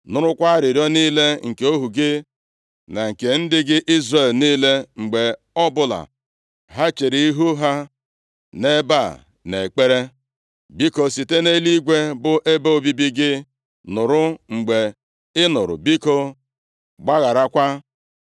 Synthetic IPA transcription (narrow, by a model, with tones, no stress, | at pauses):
nʊ˨ɾʊ˦kʷa˦ɾɪ˨ɾɔ˦niː˦le˦ŋ̩˨ke˨o˦ɦu˨ɡɪ˦ | na˨ŋ̩˨ke˨n̩˦dɪ˦ɡɪ˦ʔi˦zre˨lniː˦le˦ŋ͡m̩˨ɡ͡be˨ | ɔ˦bʊ˦la̰˨ | ɦa˦t͡ʃe˨ɾi˨i˦ɦu˦ɦa˦ | ne˦ba˦˨ | ne˨k͡pe˦ɾe˦ | bi˦ko˨si˨te˦ne˦li˦ɡʷe˦bʊ˦ʔe˦bo˦o˨bi˦bi˦ɡɪ˦ | nʊ˨ɾʊ˦ŋ͡m̩˨ɡ͡be˨ | ɪ˦nʊ˨ɾʊ̰˨bi˦ko˦ | ɡ͡ba˦ɣa˨ɾa˦kʷa˦